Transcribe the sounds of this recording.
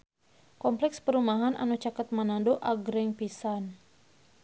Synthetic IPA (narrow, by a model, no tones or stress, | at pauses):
kɔmplɛkspəɾumaɦanʔa̰nut͡ʃakət̪̚manandoʔaɡɾɛŋpisan